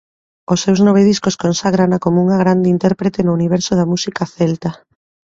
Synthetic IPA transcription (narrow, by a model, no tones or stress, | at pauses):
osːewznoβeð̞iskoskonsaɣɾanakomouŋaɣ̞ɾand̪eint̪ɛɾpɾet̪enʊuniβ̞ɛɾsoð̞amusikaθɛlt̪a